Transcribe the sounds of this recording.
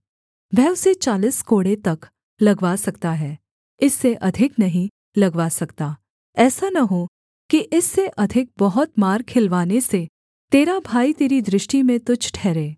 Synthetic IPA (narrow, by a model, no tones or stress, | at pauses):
ʋɛːʊset͡ʃaːliskoːɽet̪ɐk | lɐɡʋaːsɐkt̪aɦɛː | ɪsːeʔɐd̪ʱɪknɐɦĩ | lɐɡʋaːsɐkt̪aː | ɛːsanɐɦo | kiʔɪsːeʔɐd̪ʱɪk̚bɐɦʊt̪maːɾkʰɪlʋaːnese | t̪eːɾabʱaːit̪eːɾid̪ɾɪʃʈimẽt̪ʊd͡ʒʱʈʰɛːɾeː